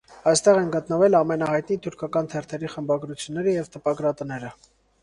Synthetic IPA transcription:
ɑjst̪ɛʁɛnɡət̪nəvɛlɑmɛnɑhɑjt̪nit̪ʰuɾkʰɑkɑnt̪ʰɛrt̪ʰɛɾiχəmbɑɡɾut͡sʰjunːɛɾəjɛvt̪əpɑɡɾɑt̪ənɛɾə

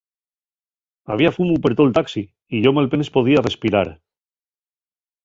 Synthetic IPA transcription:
aβiafumupeɾt̪olt̪aksiː | ʝo̞malpenespo̞ð̞iare̞spiɾa̰ɾ

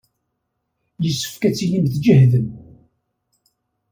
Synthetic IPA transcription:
jəsːə̥fkæt͡sːijimθd͡ʒəhðəm

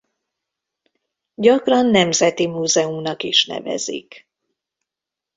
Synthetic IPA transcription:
ɟɒkrɒnːɛmzɛt̪imuːzɛumnɒkiʃnɛ̰vɛ̰zḭk

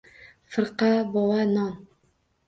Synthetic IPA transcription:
fɤ̆ɾqɑbɒlˠɑnɑn

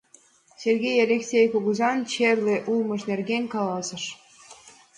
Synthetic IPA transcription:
sʲerɣʲejɑlʲeksʲejkoɣuzɑnt͡ɕerleʔulməʃnerɣenʲkɑlɑsə̆ʃ

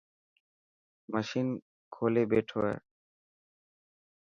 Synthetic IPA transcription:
maʃin | kʰolebeʈʰɔe

